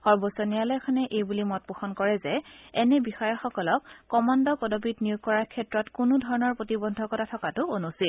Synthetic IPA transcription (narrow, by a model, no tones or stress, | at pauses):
xɔɹbosɔnijalɔjkʰɔnɛʔejbulimɔt̚puxɔnkɔɹɛzɛɛnɛbixɔjɔxɔkɔlɔkːɔmandɔpɔdobitnijukːɔɹaɹkʰɛtɹɔtkʊnʊdʱɔɹɔnɔɹpotibɔndʱɔkɔtatʰɔkatʊonusil